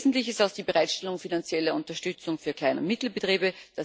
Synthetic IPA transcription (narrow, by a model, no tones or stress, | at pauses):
zn̩tlɪçɪstaʊsd̥iːbəʁaɪtʃtɛlʊŋfinant͡sjɛlɐʊntɐʃtʏt͡sʊŋfyːɐkʰl̥aɪnə̰mɪtl̩bətʁiːbəd̥a